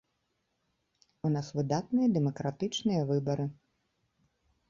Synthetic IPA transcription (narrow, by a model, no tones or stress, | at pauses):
unasvɨd̪at̪̚nɨjɐd̪ɛmɐkɾat̪ɨt͡ʂnɨjɐvɨbɐɾɨ